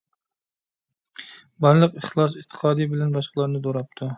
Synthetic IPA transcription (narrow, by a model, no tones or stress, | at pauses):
bɑɾlˠɨqɪχlˠɑs̬ɪt̪ʰːɨ̥qʰɑd̪ɪbɪlanbɑʃqʰɑlˠaɾnɪd̪oɾap̚t̪ʰʊ